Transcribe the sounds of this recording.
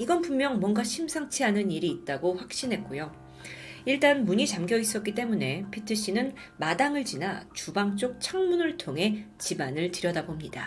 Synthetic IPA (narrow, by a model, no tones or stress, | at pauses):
iɡʌnpumːjʌŋmwʌnɡaɕʰimsʰaŋt͡ɕʰiɦanɯniɾiːt̚t͈aɡoɸwak̚ɕ͈inɦe̞t̚k͈ojo | iɭt͈anmuɲit͡ɕamɡjʌis͈ʌk͈it͈e̞mune̞pʰetʰɯɕ͈inɯn | madaŋɯɭt͡ɕinat͡ɕubaŋt͡ɕ͈ok̚t͡ɕʰaŋmunɯɭtʰoŋɦe̞t͡ɕibanɯɭtɯɾjʌdabomɲida